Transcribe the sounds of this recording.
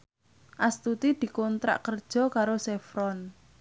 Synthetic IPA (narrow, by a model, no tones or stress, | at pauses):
ʔast̪ut̪id̪̥i̤kɔnt̪ɾa̰ʔkərd̥ʒ̥ɔ̤kaɾosɛfɾɔn